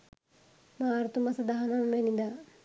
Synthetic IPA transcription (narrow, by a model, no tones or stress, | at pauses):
maːɾut̪umɐsɐd̪aɦɐnɐmʋenid̪a